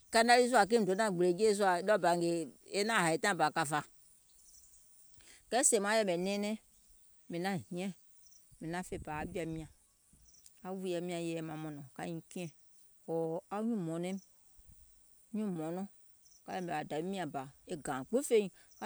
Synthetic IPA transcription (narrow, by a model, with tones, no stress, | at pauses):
ka˦na˦li˦za˨k̬e˦m̩˨do˨˦nã˦˨ɡ͡be˨d͡ʒe˦z̬u˦a˨˦lɔ˦ba˨ŋ˨ɡe˨e˦nã˦˨ɦa˨e˨t̪ã˦˨ba˨ka˨fa˨ | kɛ˦se˨mã˦jɛ˦˨mɛ˨nɛ̃˦nɛ̃˦ | me˨nã˦ɦĩ˨˦ɛ̃˦ | me˨nã˦fe˦˨pa˨a˨˦bi˦a˨mĩ˨ã˨ | a˦wu˦ja˨mĩ˦a˨jɛ˦mã˨mɔ̃˨nɔ̃˨ka̰˦ɲĩ˨kĩ˦ɛ̃˨ | ɔ˨a˦ɲũ˦˨mɔ̃˨nɛ̃˦m˦ | ɲũ˦˨mɔ̃˨nɔ̃˦ | ka˦jɛ˦me˨a˨da˨be˦mĩ˦a˨ba˨e˦ɡã˨k͡pe˦fe˦ɲi˨ka˦